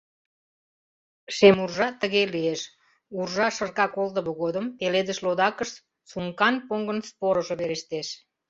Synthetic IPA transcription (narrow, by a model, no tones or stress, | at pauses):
ʃemurʒɑt̪əɣelieʃ | urʒɑʃərkɑkold̪ə̆βəɣod̪əmpeled̪əʃlod̪ɑkəʃt̪ | sumkɑnpoŋɡənspoɾəʒoβeɾeʃt̪eʃ